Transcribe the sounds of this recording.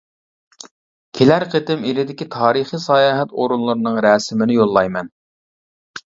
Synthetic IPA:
kʲʰelæɾqʰət̪ɪmilɪd̪ɪkʲit̪ʰɑːɾiχisɑjɑːɦɛt̪oɾunlˠuɾɨnɨŋɾɛːsɪmɪnɪjolˠːɑjmɛn

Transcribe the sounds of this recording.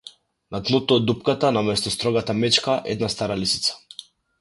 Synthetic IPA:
nat̪nut̪ɔːd̪ːupkat̪anamɛst̪ɔst̪ɾɔɡat̪amɛt͡ʃkaʔɛ̰d̪nast̪aɾalisi̥t̪sḁ

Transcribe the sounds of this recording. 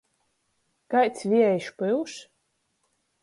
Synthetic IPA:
kajt̪sʲvʲiɛjʃpɨwʃ

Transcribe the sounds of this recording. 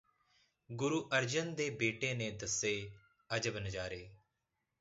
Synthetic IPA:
ɡʊɾuːʔəɾd͡ʒənd̪eːbeːʈeːneːd̪əsːeː | əd͡ʒəbnəd͡ʒaːɾeː

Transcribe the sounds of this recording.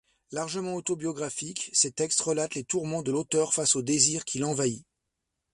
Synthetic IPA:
laʁʒəmɑ̃ot̪objɔɡʁafikset̪ɛkst̪ʁəlat̪let̪uʁmɑ̃d̪əlot̪œʁfasod̪eziːʁkʲʰilɑ̃vai

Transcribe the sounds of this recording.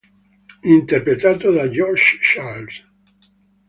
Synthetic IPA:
int̪erpɾet̪aːt̪od̪ad͡ʒɔɾʃʃals

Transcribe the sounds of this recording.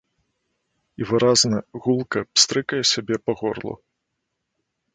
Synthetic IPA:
ivɨɾaznɐɣulˠkɐpst̪ɾɨkɐjɛsʲabʲɛpɐɣɔrlˠṵ

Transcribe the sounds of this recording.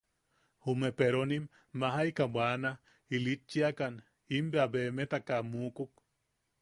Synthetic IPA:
humepeɾonimː | aɦajkabʷana | ilit͡ʃːiakan | imbeabemet̪akamukuk̚

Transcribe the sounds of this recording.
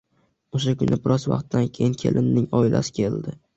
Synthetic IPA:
oʃakʊ̰nʔɪbɪɾɒzva̰qt̪ːankʲʰejɪŋkʲʰe̞̰lʔɪnːɪŋɒɪlʔa̰sɪ̥kʲʰe̞ld̪ɪ

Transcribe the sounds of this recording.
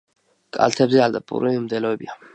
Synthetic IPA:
kʼa̰lt̪ʰɛbzɛald̪apʼṵɾiimd̪ɛlɔɛbia

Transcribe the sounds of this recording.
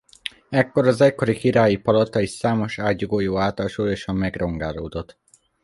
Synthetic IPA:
ɛkːo̞ɾɒzɛcko̞ɾikiɾaːjipɒlɒt̪ɒiʃsaːmo̞ʃaːt̪ɟuɡoːjoːaːt̪ɒlʃuːjo̞ʃɒmmɛɡro̞ŋɡaːloːd̪o̞t̪

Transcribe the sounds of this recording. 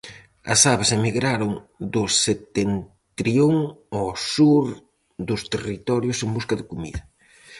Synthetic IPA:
ɐ̰saβasemiɣɾaɾʊŋd̪ʊset̪ent̪ɾioŋɔsuɾ | ðʊst̪erit̪ɔɾjʊsembuskɐðɪkomḭðɐ

